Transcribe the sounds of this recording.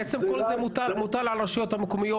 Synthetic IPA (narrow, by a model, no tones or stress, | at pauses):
et͡semkolzemut̪almut̪alʕalʁaʃajo̞t̪hamekomijo